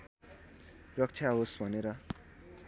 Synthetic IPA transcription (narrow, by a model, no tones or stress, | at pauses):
rʌk̚t͡sʰjaɦosbʱʌneɾʌ